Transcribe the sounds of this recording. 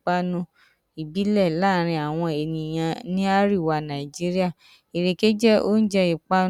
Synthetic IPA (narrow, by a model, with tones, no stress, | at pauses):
k͡pa˧˦nũ˧ | i˨bi˨˦lɛ˦˨laː˦˨ɾ̃ĩ˧a˨w̃ɔ̃˧e˨nĩ˨j̃ã˧nĩ˦a˦ɾi˦˨wa˧nã˨i˨d͡ʒi˦ɾi˦a˦˨ | i˨ɾe˨ke˦d͡ʒɛ˦o̰˦n̩˦d͡ʒɛ˧i˨k͡pa˦